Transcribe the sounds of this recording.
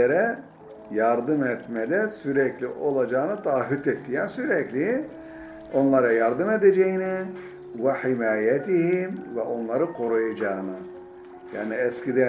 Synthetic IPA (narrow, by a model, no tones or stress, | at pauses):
eɾɛ | jaɾd̪ɯmɛt̪mɛd̪ɛsyɾɛclʲiʔo̞lˠad͡ʒaːnɯt̪ʰaːɦyt̪ɛt̪ʰːijansyɾɛclʲi | o̞nlˠaɾajaɾd̪ɯmed̪ed͡ʒejini | vɛħimaːjɛt̪ʰiɦimvɛ̰ʔo̞nlˠaɾɯkʰo̞ɾujad͡ʒaːɯnɯ | ja̰ːniɛscʲid̪ɛ